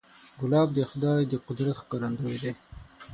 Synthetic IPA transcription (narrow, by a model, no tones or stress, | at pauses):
ɡʊlɑːb̚d̪əxʊd̪ɑjd̪əqʊd̪ɾat̪xkɑɾand̪əwed̪e